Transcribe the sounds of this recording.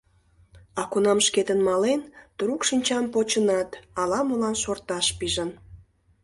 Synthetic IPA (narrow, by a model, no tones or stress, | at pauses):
ɑkunɑmʃket̪ənmɑlent̪uɾukʃinʲt͡ɕɑmpot͡ɕənɑt̪ɑlɑmolɑnʃort̪ɑʃpiʒən